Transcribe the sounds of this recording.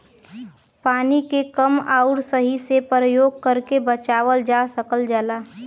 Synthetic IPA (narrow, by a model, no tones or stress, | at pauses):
paːnikekəmaːʊɽsəɦisepɾəjoːɡ̚kəɾkebət͡ʃaːʋəld͡ʒaːsəkəld͡ʒəlaː